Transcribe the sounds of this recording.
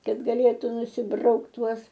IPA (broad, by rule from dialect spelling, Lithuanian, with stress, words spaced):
ˈkɐt ɡɐˈlʲeːtʊ nʊsʲɪˈbrɐʊkt ˈtuɔs